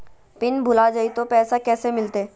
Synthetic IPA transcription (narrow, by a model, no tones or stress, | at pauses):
pɪnbʱʊlad͡ʒəit̪opɛːsakɛːsemɪlt̪eː